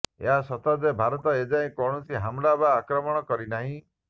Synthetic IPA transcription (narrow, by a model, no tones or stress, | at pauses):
ḛɦasɔt̪ad̪ebʱaɾɔt̪ɔed͡ʒaĩkɔɳɔsiɦamɾabaːkɾɔmɔɽ̃ɔkɔɾinaɦĩ